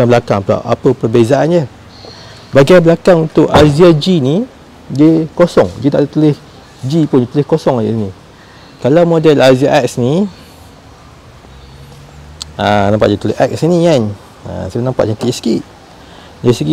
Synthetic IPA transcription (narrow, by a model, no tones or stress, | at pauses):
abəlakaŋpla̰ʔa̰pəpərbezaʔanjə | baɡabəlakaŋunt̪ʊʔaziad͡ʒini | dəkosɔŋd͡ʒit̪aʔt̪əlɪh | d͡ʒipʊnjit̪əlɪhkosɔŋaani | kalawmodɛlaziaʔɛk̚sni | anampaʔdit̪leʔɛk̚sinikan | ã̰saanãmpat̪ʔ̚t͡ʃakɪʔsə̥kiʔ | daɾisəɡi